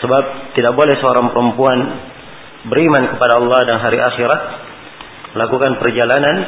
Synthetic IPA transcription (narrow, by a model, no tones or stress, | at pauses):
səbap̚t̪idak̚bolɛhsəoɾaŋpəɾəmpuan | bəɾimankəpadaɑlˠːɑhdanɦaɾiʔaxiɾat̪̚ | məlakukanpərd͡ʒalanan